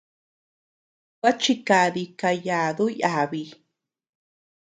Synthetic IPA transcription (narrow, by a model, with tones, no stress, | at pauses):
wa˦t͡ʃi˧ka˧ði˧ka˧ja˨ðu˦ja˨βi˧